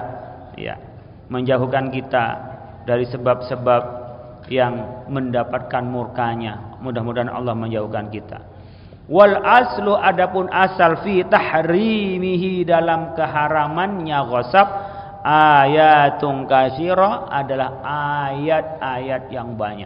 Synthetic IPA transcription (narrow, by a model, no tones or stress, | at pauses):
ja̰ | məɲd͡ʒaɦukankit̪a̰ | daɾisəbap̚səbap̚ | jaŋməndapat̪̚kanmurkaɲamudahmudaɦanɑ̰lːɑhməɲd͡ʒaɦukankit̪a̰ | walʔaslʊʔadapʊnʔasalfit̪aħɾimiɦidalamkəɦaɾamanɲaɣɔsap̚ | ʔajat̪ʊŋkaʃiɾɔadalahʔajat̪̚ajat̪̚jaŋbaɲa̰